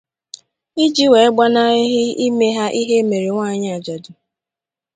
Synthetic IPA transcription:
i˦d͡ʒi˦we˨e˦ɡ͡ba˦na˦ɦɪ˦i˦me˦ɦa˦ʔi˦ɦe˦me˨ɾe˨ŋʷa˦ɲ˦a˨d͡ʒa˨dʊ˨

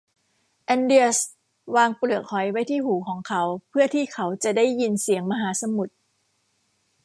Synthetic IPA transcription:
ʔɛ˧ndi˧əs | waː˧ŋplɯ˨˩ək̚ʰːɔ˨˩˦jwa˦˥jt̪ʰiː˥˩ɦuː˩˦kʰɔː˩˦ŋkʰa˨˦˥wpʰɯ˥˩ɐt̪ʰiː˥˩kʰa˩˦˥wt͡ɕa˨˩da˥˩jːi˧nsi˨˩˦əŋma˧ɦaː˩˦sa˧mu˨˩t̪̚

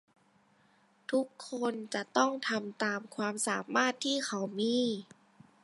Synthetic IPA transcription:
t̪ʰu˦˥kʰːo˧nt͡ɕa˨˩t̪ɔ˥˩ŋt̪ʰa˧mt̪aː˨˧mkʰwaː˧msaː˨˩˦mːaː˥˩t̪ʰːiː˥˩xa˨˩wmiː˧˥

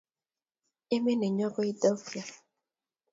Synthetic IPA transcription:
e˦mi˦ne˨ɲɔ˦ɡɔ˦i˦dɔ˦fja˨

